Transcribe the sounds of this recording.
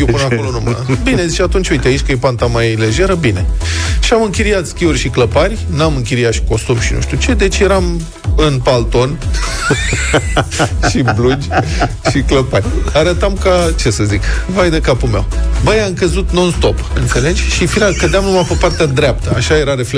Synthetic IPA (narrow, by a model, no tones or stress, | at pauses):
jopɨnəakolonumabine̞zit͡ʃeat̪unt͡ʃoijt̪eait͡ʃʲkəjepant̪amajle̞ʒe̞ɾəbine̞ʃiamɨŋkʲiɾiat̪skʲiurʲʃikləparʲnamɨŋkʲiɾiat̪ʃi̥ko̞sumʃinṵʃt̪ʲut͡ʃe̞d̪e̞t͡ʃʲje̞ɾam | ɨnpalt̪o̞n | ʃiblud͡ʒʲʃikləparʲaɾət̪amkat͡ʃe̞səzikvajd̪ekapume̞̰wbajaɨŋkəzut̪no̞nst̪o̞pɨnt̪se̞le̞t͡ʃʲʃifiɾalkəd̪eamnumapəpart̪ed̪ɾʲap̚t̪əaʃaje̞ɾaɾe̞fe